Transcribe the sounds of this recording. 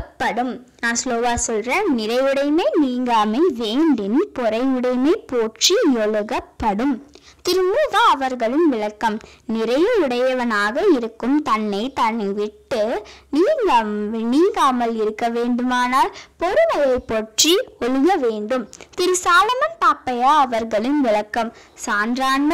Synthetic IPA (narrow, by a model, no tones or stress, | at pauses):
pːɐɽɯm | nãːsloːʋaːsɔlreːnnɪɾɐɪjɯɽɐɪmɐɪniːŋɡaːmɐɪʋeːɳɖɪnpɔɾɐɪɯɽɐɪmɐɪpoːʈrijɔɭɯɣɐpːɐɽɯm | t̪ɪɾɯmuːʋaːʋɐɾɣɐɭɯnʋɪɭɐkːɐmnɪɾɐjɐɯɽɐjɐʋɐnaːɣɐɪɾɯkːɯmt̪ɐnːɐɪt̪ɐnːʋɪʈːɯniː | niːŋɡaːmɐlɪɾɯkːɐʋeːɳɖɯmaːnaːlpɔɾɯnɐjɐɪpːɔʈriɔɻɯɣɐʋeːɳɖɯmt̪ɪɾɯsaːlɐmɐnp̪aːpːɐjaːɐʋɐɾɣɐɭɪnʋɪɭɐkːɐm | saːndraːɳɐ